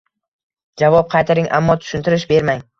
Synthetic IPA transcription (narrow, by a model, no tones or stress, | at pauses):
d͡ʒavɒp̚qʰɑjt̪ʰaɾɪŋʔa̰mːɒt̪ʰʊ̥ʃʊnt̪ɪɾɪʃbe̞ɾmaŋ